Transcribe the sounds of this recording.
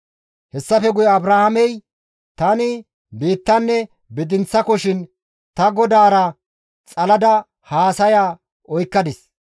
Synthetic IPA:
hɛsːɐfɛɡʊjɔɐbɾaːhamɛj | t̪ɐnɪ | biːt̪ːɐnːɛ | bɪd̪ɪnt͡sːɐkɔʃɪn | t̪ɐɡɔd̪aːɾɐ | t͡sʼɐlɐd̪ɐ | haːsɐjaː | ɔjkːɐd̪ɪs

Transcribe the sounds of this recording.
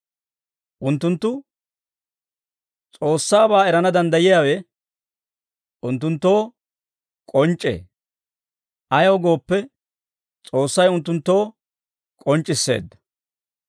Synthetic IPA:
ʔʊnt̪ːʊnt̪ːʊ | t͡sʼo̞ːsːaːbaːɛɾɐnɐd̪ɐnd̪ɐjɪjaːwɛ | ʔʊnt̪ːʊnt̪ːo̞ː | kʼɔnt͡ʃʼːḛː | ʔɐjoːɡo̞ːpːɛ | t͡sʼo̞ːsːɐjʊnt̪ːʊnt̪ːo̞ː | kʼɔnt͡ʃʼːɪsːe̞̰ːd̪ːɐ̥

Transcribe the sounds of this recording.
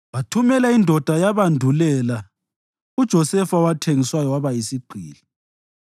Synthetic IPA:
βatʰumɛlaindʱɔd̥ʱajaβandʱulɛla | ud̥ʒ̥ʱɔsɛfawatʰeŋiswajɔwaβaisiɡ͡ǀʱiːli

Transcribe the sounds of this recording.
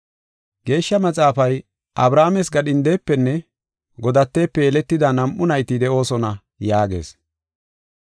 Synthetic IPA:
ɡe̞ːʃːɐmɐt͡sʼaːfɐj | ʔɐbɾaːmɛsɡɐɗɪnd̪eːpːɛnːɛ | ɡɔd̪ɐt̪ːe̞ːpːɛːlɛt̪ːɪd̪ɐnɐmʔʊnɐjt̪ɪd̪ɛʔo̞ːsɔnɐ | jaːɡe̞̰ːs

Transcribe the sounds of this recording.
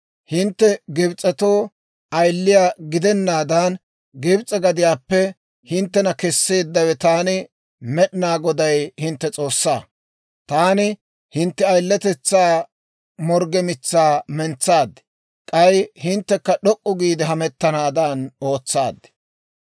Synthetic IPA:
hɪnt̪ːɛɡɪbt͡sʼɛt̪oː | ɐjlːɪjaːɡɪd̪ɛnːaːd̪ɐn | ɡɪbt͡sʼɛɡɐd̪ɪjaːpːɛ | hɪnt̪ːɛnɐkɛsːe̞ːd̪ːɐwɛt̪aːnɪ | mɛɗnaːɡɔd̪ɐjhɪnt̪ːɛt͡sʼo̞ːsːa̰ː | t̪aːnɪ | hɪnt̪ːɛɐjlːɛt̪ɛt͡sːaː | mɔɾɡɛmɪt͡sːaːmɛnt͡sːaːd̪ | kʼɐjhɪnt̪ːɛkːɐɗɔkʼːʊɡiːd̪ɪɦɐmɛt̪ːɐnaːd̪ɐno̞ːt͡sːaːd̪ːɪ̥

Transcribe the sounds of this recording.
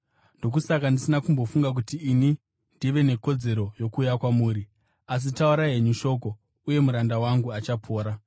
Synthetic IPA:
ndo̞k̬usakandisinakumbofuŋɡak̬utiːni | ndiʋe̞ne̞ko̞d͡ze̞ɾojo̞kuːjakwamuːɾi | as̬itauɾaɦe̞ɲuʃo̞ko̞ | uje̞muɾandawaŋɡuat͡ʃapʰo̞ːɾa

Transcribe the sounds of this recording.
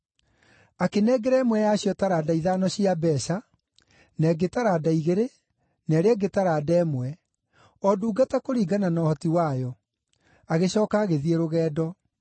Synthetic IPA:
akenɛːɡɛɾɛːmwɛjaɕjɔtaɾaːdaiðaːnɔɕiabɛːɕa | nɛɡetaɾadaiɣeɾe | nɛɾeɛɡetaɾaːdɛːmwɛ | ɔduːɡatakoɾiːɡananɔːhɔtiwajɔ | aɣeɕɔːkaːɣeðieɾoɣɛːdɔ

